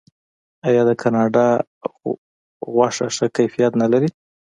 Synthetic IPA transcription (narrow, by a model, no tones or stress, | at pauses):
ɑjɑd̪əkʰɑnɑɖɑ | ɣwɑʂaʂəkajfijat̪nalaɾi